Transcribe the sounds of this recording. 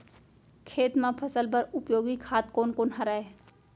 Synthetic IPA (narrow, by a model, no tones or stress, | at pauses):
kʰeːt̪mãpʰɐsəlpəɾʊpjoːɡikʰaːt̪̚koːnkoːnɦɐɾaːe